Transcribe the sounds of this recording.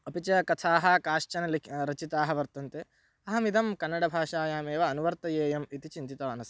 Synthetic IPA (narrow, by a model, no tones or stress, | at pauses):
ɐpit͡ʃɐkɐt̪ʰaːɦɐkaːʂt͡ʃɐnɐliɾɐt͡ʃit̪aːɦɐʋɐɾt̪ɐnt̪e | ɐɦɐmid̪ɐmkɐnːɐɽɐbʱaːʂaːjaːmeːʋɐːnuʋɐɾt̪ɐjeːjɐmit̪it͡ʃint̪it̪ɐʋɐnɐs